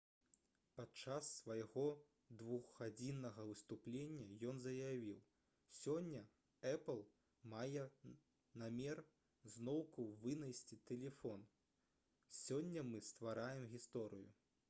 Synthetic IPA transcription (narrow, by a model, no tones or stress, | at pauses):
pat͡ʂasːvɐjɣɔ | d̪vuɣːad͡zʲinːɐɣɐvɨst̪uplʲenʲːɐjɔnzɐjavʲiw | sʲɔnʲːɐ | ɛplˠ | majɛ | namʲɛr | znɔwkuvɨnɐjsʲt͡sʲit̪ɛlʲɛfɔn | sʲɔnʲːɐmɨst̪vaɾajɛmɣʲist̪ɔɾɨjṵ